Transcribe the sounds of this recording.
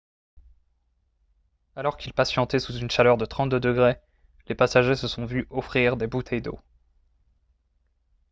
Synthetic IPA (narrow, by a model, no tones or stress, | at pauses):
alɔʁkʲilpasjɑ̃t̪ɛsuzynʃalœʁd̪ət̪χɑ̃t̪̚d̪əd̪əɡʁe | lepasaʒesəsɔ̃vyɔfχiʁd̪ebut̪ʰɛjd̪o̰